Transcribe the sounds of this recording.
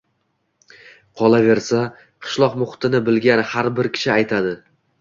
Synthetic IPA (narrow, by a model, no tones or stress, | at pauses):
qʰɒlˠave̞ɾsa | qʰɨ̥ʃlˠɒqmʊχt̪ʰɪnɪbɪlɡʲanhaɾbɪɾkʲʰɪ̥ʃɪajt̪ʰad̪ɪ